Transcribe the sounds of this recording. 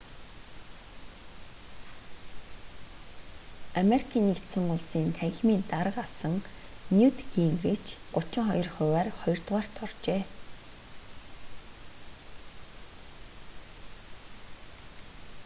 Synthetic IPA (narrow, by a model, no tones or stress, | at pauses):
ameɾikʰiːnːekt̪sɵ̆ŋʊɮsiːnt̪ʰæŋɣʲmiːnt̪aɾə̆qasə̆ŋ | njut̪ɡiŋrit͡ɕɢʊt͡ɕɪ̆ŋχɔjɞ̆rχʊːwæːrχɔjɞ̆rt̪ʁaːr̥t̪ʰɔrt͡ɕeː